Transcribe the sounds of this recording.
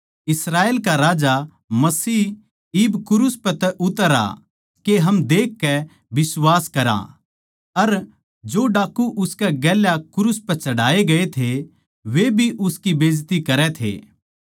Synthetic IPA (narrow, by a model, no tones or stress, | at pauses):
ɪsɾaːeːlkaɾaːd͡ʒa | mɐsiː | ɪbkʊɾʊspɛt̪ɛʔʊt̪əɾa̰ | keɦɐmd̪eːkːɛ | bɪswaːskɐɾa̰ | ɐɾ | d͡ʒoːɖaːkːuʔʊskɛɡɛːljakʊɾʊspɛt͡ʃɐɽ̤aːeɡɐet̪ʰe | ʋebʱiʔʊskibeːd͡ʒt̪ikɐɾɛt̪ʰḛː